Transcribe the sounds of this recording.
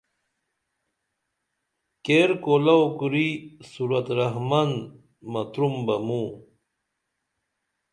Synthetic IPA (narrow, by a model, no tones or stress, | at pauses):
keɾkolɐokuɾisuɾɐt̪ɾɐɦmɐn | mɐt̪ɾumbɐmũ